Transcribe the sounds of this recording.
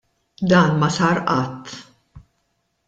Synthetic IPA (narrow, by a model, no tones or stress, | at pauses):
d̪ɐːnmɐsɐːɾʔɐt̪ː